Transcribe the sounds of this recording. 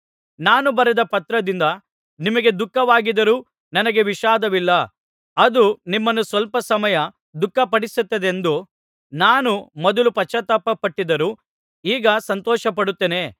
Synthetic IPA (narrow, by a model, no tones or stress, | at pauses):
naːnubɐɾɛd̪ɐpɐt̪ɾɐd̪ind̪ɐ | nimɐɡe̞d̪ukːɐʋaːɡid̪ɐɾuː | nɐnɐɡe̞ʋiʃaːd̪ɐʋilːɐ | ɐd̪unimːɐnːusʋɐlpɐsɐmɐjɐ | d̪ukːɐpɐɽisut̪ːɐd̪end̪u | naːnumɔd̪ɐlupɐt͡ʃːɐt̪ɐpːɐpɐʈːid̪ɐɾuː | iːɡɐsɐnt̪ɔːʃɐpɐɽut̪ːeːne̞